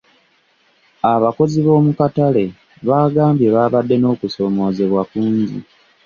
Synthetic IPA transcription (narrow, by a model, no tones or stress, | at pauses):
aβako̞ziβo̞ːmukatale̞ | βaːɡaːmbje̞βaːβadːe̞no̞ːkuso̞ːmo̞ːze̞βwakuːɲzḭ